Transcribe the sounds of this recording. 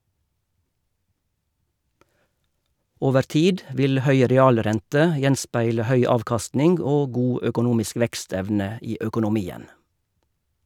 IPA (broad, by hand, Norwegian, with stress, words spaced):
ˈoːʋəɾ ˈtiːd ˈʋɪl ˈhœʏ ɾɛˈɑːlˌɾɛntə ˈjɛnˌspæɪlə ˈhœʏ ˈɑːʋkɑstnɪŋɡ ˈoː ˈɡuː ʔœkʊˈnuːmɪsk ˈʋɛkˌstɛʋnə ˈiː œkʊnʊˈmiːən